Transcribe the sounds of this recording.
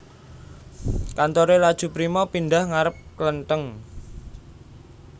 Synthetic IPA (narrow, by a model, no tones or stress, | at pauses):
kant̪oɾelad̥ʒ̥ṳpɾimɔpinɖahŋaɾəp̚klənt̪əŋ